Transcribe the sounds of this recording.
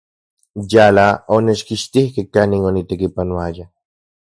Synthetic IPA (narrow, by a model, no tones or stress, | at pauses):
jalaoneʃkiʃt̪ihkehkaniŋonit̪ekipanoaja